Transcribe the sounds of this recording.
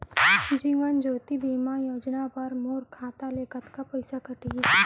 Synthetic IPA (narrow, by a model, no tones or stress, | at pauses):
d͡ʒiːʋənd͡ʒoːt̪ibiːmajoːd͡ʒnapəɾmoːɾkʰaːt̪aleːkət̪kapɐɪsakɐʈie